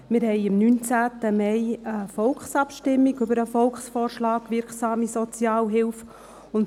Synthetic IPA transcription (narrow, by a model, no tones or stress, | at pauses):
mɪɾɦɛɪɪmnynt͡sæːt̪əmɛɪəfɔlksɑpʃtɪmːiɡʏbəɾəfɔlkχsfɔːɾʃlɑːkʋɪɾksɑːmisɔt͡sjɑːlɦɪlf | ʊnt